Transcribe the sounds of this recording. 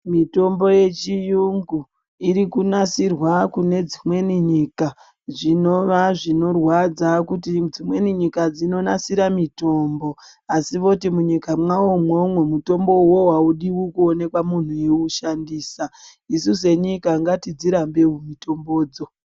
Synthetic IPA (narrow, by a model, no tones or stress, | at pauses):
mito̞mbo̞je̞t͡ʃijuŋɡu | iɾikunasirwakune̞d͡zimwe̞niɲiːka | ʐino̞ʋaʐino̞rwad͡zakutid͡zimwe̞niɲikad͡zino̞nasiɾamito̞ːmbo̞ | asiʋo̞timuɲikamwaomwomwemuto̞mbo̞wo̞wauɗiwukuone̞kwamun̤ueuʃandiːsa | isus̬e̞ɲikaŋɡatid͡ziɾambe̞umito̞mbo̞ːd͡zo̞